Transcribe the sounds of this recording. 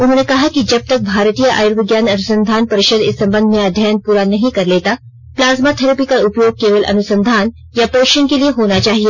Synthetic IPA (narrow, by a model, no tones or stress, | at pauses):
ʊnɦoːnekɐɦakid͡ʒɐb̚t̪ɐk̚bʱaːɾt̪ijəʔa̰juɾʋɪɡjaːnɐnusə̃nd̪ʱaːnpɐɾɪʃəd̪ɪsːɐ̃mbə̃nd̪ʱmẽɐd̪ʱjajən̚puɾanɐɦĩkɐɾleːt̪a | plaːzmat̪ʰɐɾəpikaʊpjoːɡ̚keːʋəlʔɐ̰nʊsə̃nd̪ʱaːn | japoːʃənkelieɦoːnat͡ʃaːɦie